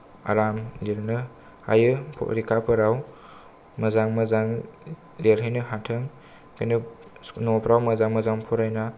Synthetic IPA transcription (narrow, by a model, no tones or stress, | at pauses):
a̰ɾamleɾnɯ | a̰jɯpʰɔ̰ɾikʰapʰɯɾaw | mɐzaŋmɐzaŋ | leɾɦɯjnɯɦatʰɯŋ | kʰɯnɯ | nɔpʰɾawmɐzaŋmɐzaŋpʰɔɾajna